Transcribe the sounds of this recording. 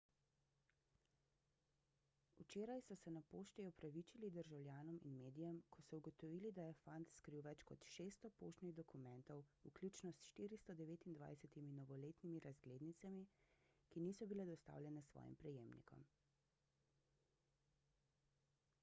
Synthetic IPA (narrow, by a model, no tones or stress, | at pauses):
ut͡ʃeːɾajsɔsɛnapoːʃt̪iɔpɾaʋit͡ʃilid̪əɾʒawljaːnɔmḭnmeːd̪ijɛmkʰɔsɔuɡɔt̪ɔʋiːlid̪ajɛfant̪skɾiwʋɛt͡ʃkɔt̪ʃeːst̪ɔpoːʃt̪niɣd̪ɔkumɛ̃nt̪ɔwuklʲuːt͡ʃnɔsʃt̪iːɾist̪ɔd̪ɛʋeːt̪ind̪ʋa̰jsɛt̪iminɔʋɔleːt̪nimiɾazɡleːd̪nit̪samikiniːsɔbilɛd̪ɔst̪a̰ːwlʲjɛnɛsʋɔ̰ːjḭmpɾɛjeːmnḭkʰɔ̰m